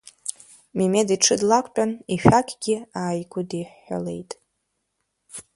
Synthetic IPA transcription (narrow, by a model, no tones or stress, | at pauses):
mimediʈ͡ʂʰɨdlakʷʼpʼaniʃᶣakʲʰʼɡʲɪaːjɡʷʊdiħːa̰le̞̰jtʼ